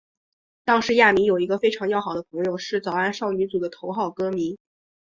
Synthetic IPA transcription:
t̪ɑ˥ŋʂɻ̩˧˥ja˥˩mi˧˥jo˨˩ʊi˧˥ɡə˧fe˥ɪʈ͡ʂʰɑ˧˥ŋjɑ˥ʊxɑ˨˩ʊd̪ə˦pʰɤ˧˥ŋjo˧ʊʂɻ̩˥˩t͡sɑ˨˩ʊa˥˩nʂɑ˥˩ʊny˧˥t͡su˨˩d̪ə˦t̪ʰo˧˥ʊxɑ˥˩ʊkɤ˥mi˧˥n

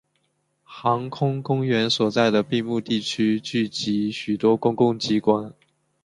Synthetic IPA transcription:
xɑ˧˥ŋkʰʊ˥ŋkʊ˥ŋɥɛ˧˥nswɔ˨˩t͡sa˥˩ɪd̪ə˩pi˥˧mu˥˧t̪i˥˩t͡ɕʰy˥t͡ɕy˥˩t͡ɕi˧˥ɕy˨˩t̪wɔ˥kʊ˥ŋkʊ˥˩ŋt͡ɕi˥kwa˥˩n

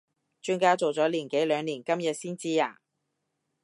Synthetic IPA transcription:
t͡ʃyː˥nkaː˥t͡so˨wt͡sɔː˨˥liː˨˩nke˨˥jlœː˨˧ŋliː˨˩nkɐ˥mjɐ˨t̚siː˥nt͡siː˥ja̰ː˨˩

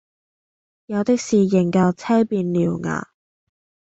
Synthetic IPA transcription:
jɐ˨˧wt̪ɪ˥k̚siː˨˩jɪ˨˩ŋkɐ˧wt͡sʰɛː˥jpiː˧nliː˨˩wŋa̰ː˨˩

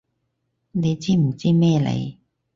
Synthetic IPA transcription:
ne˨˧jt͡siː˥m̩˨˩t͡siː˥mɛː˥˧lḛ˧j

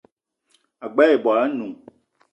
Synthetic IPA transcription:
a˨ɡ͡ba˦je˨bɔ˨a˨a˦nũ˨

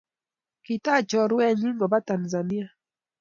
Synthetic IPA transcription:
ki˨ta˦˨t͡ʃɔ˨ɾwɛ˦ɲi˦ŋɡɔ˨ba˦ta˨nza˨ni˦a˦

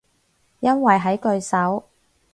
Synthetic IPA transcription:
jɐ˥nwɐ˨jɦɐ˨˥jkɵ˧ɥsɐ˨˥w

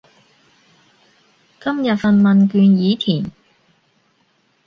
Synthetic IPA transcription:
kɐ˥mjɐ˨t̚fɐ˧nmɐ˨nkyː˧njiː˨˥t̪ʰiː˨˩n

